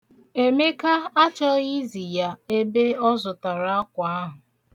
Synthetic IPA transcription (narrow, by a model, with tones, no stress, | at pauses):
e˨me˦ka˦a˦t͡ʃɔ˦i˦zi˨ja˦e˦be˦ɔ˦zʊ˨ta˨ɾa˦a˦kʷa˨a˦ɦʊ˨